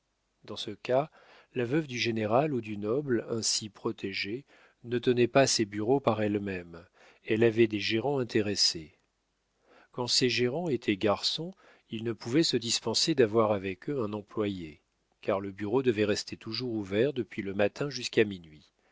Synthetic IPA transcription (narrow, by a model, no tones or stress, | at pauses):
d̪ɑ̃səka | lavœvd̪yʒeneʁalud̪ynɔblɛ̃sipχɔt̪ʰɛʒe | nət̪ənɛpasɛbyʁopaʁɛlmɛm | ɛlavɛd̪eʒeʁɑ̃ɛ̃t̪ʰeʁese | kɑ̃sɛʒeʁɑ̃et̪ʰɛɡaʁsɔ̃ | ilnəpuvɛsəd̪ispɑ̃sed̪avwaʁavɛkøɛ̃nɑ̃plwaje | kaʁləbyʁod̪əvɛʁɛst̪ʰet̪uʒuʁuvɛʁd̪əpɥiləmat̪ʰɛ̃ʒyskaminɥi